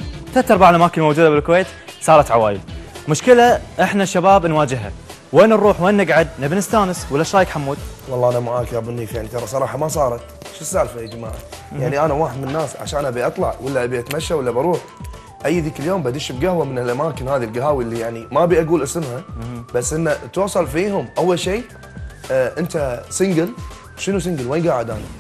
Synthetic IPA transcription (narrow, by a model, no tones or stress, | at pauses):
θat̪ːɑɾˤbaʕdlʔamaːkɪnmowd͡ʒuːd̪abɪlkweːt̪sˤɑːɾˤɑt̪ʕawaːjɪlmʊʃkɪlaʔɪħnaʃːabaːbnwaːd͡ʒɪɦa̰ | weːnrˤuːħweːnːɪɡʕad̪̚nɪbnɪst̪aːnɪswɪlːaʃaːjɪkħamːuːd̪̚wɑlˤːɑːʔanamaʕaːkiʔabʊnːifiʕnt̪ɑɾˤɑsˤɑɾˤɑːħɑmasˤɑːɾˤɑt̪ | ʃɪsːaʕlfad͡ʒma̰ːʕa̰jaʕniʔanawaːħɪd̪mɪnnːaːsʕa̰ʃaːnabiʔɑt̪ˤlɑ̰ʕwɪlːaʔabiʔat̪maʃːawɪlːabɑɾˤuːħ | ʔajːðiːkɪljoːmbad̪iʃbɡahwamɪnɪlʔamaːkɪnhaːðilɡaɦaːwiʔlːijaʕnimabiʔaɡuːlʔɪsɪmhab̥asːʔɪnːat̪wɑːsˤɑlfiːɦʊmʔawːalʃeː | ʔɪnt̪asɪŋɡɪl | ʃənus̬ɪŋɡɪlweːnɡaːʕɪd̪ʔa̰ːna